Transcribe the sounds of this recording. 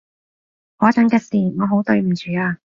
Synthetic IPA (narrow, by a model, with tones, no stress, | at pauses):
hɔː˨˥t͡sɐ˨˥ŋkɐ˥˧k̚siː˨˩ŋɔː˨˧ɦo˨˥wt̪ɵ˧ɥm̩˨˩t͡ʃyː˨˧aː˧